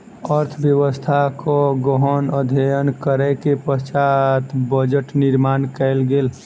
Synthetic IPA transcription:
əɾt̪ʰbjəwəst̪ʰakoɡɔɦənəd̪ʱeənkəɾɛkepəst͡ʃat̪bəd͡ʒəʈnɪɾmaːnkɛɪlɡeːl

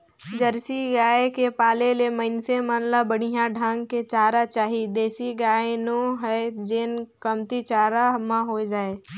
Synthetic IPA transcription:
d͡ʒəɾsiɡaːekepaːleleməɪnsemaːnlabəɽ̤ijãɖʱãːŋɡket͡ʃaːɾat͡ʃaːɦid̪eːsiɡaːenoɦɛd͡ʒenkəmt̪it͡ʃaːɾaɦmãɦod͡ʒaːeː

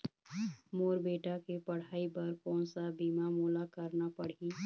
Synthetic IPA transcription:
moːɾbeːʈakepɐɽ̤aːipɐɾkɔ̃ːnsabiːmamuːlakəɾnapəɽ̤i

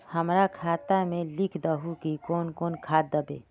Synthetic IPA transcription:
həmɾakʰaːt̪amẽlikʰd̪əɦukikoːnkoːnkʰaːd̪əbḛː

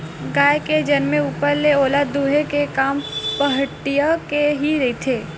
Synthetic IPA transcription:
ɡaːjeked͡ʒɐnmẽuːpəɾleoːlaːd̪uːɦekekaːmpɐɦəʈijakeɦiɾɐit̪ʰeː

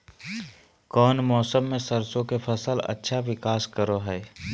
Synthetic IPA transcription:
kɔːnmɔːsəmːẽsəɾsõkepʰəsəlɐ̰tːʃʰaʋɪkaːskəɾoɦɛː

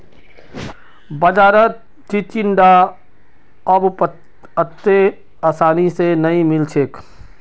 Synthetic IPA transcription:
bəd͡ʒaːɾət̪̚ | t͡ʃit͡ʃɪnɖa | əbp | ət̪ːe | asaːnisenɐĩmɪlt͡ʃʰeːk

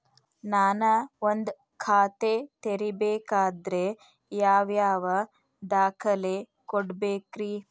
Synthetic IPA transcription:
naːnɐond̪ | kʰaːt̪et̪eɾibeːkaːd̪ɾe | jaːʋjaːʋɐ | d̪aːkʰɐle | koɽbeːkɾi

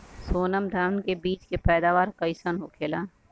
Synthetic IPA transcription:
soːnəmd̪ʱaːʋnkebiːt͡ʃkepɛːd̪aːʋaːɾkəɪsənɦoːkʰeːlaː

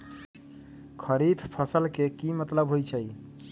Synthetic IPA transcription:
kʰəɾipʰpʰəsəlkekimət̪ləbɦojt͡ʃʰəj

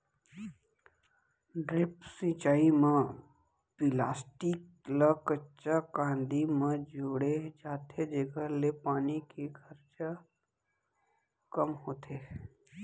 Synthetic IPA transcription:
ɖɾɪpsĩːt͡ʃaːimẽ | pɪlaːsʈik | lakətːt͡ʃʃakãːnd̪imẽd͡ʒoːɽed͡ʒaːt̪ʰed͡ʒəɡəlepaːnikekʰəɾt͡ʃa | kəmɦoːt̪ʰeː

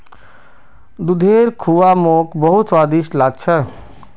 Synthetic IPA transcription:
d̪ud̪ʱeːɾkʰuʋaːmoːkbɐɦʊt̪saːd̪iʃlaːɡ̚t͡ʃʰɛ

